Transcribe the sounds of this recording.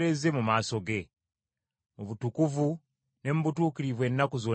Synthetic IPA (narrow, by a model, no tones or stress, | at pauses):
ɾe̞ze̞mumaːso̞ɡe̞ | oβutukuvu | ne̞muβutuːkiɾiβwe̞ːnːakozo̞